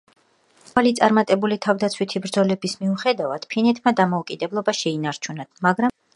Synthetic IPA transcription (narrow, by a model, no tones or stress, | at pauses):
alit̪sʼaɾmat̪ʼɛbulit̪ʰavd̪at̪sʰwit̪ʰibɾd̪zɔlɛbismiuχɛd̪avad̪̥pʰinɛt̪ʰmad̪amɔukʼid̪ɛblˠɔbaʃɛinaɾt͡ʃʰunamaɡɾa